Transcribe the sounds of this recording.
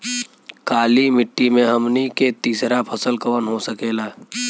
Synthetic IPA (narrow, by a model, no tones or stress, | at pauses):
kaːlimɪʈːimẽɦəmniket̪iːsɾapʰɐsəlkɐʋənɦosəkeːla